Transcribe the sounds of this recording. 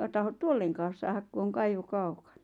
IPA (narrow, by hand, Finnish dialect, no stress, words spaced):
tɑhot tuolːeŋkɑːs sɑːhɑk ku oŋ kɑiʋo kɑukɑ̥n̥ɑ̥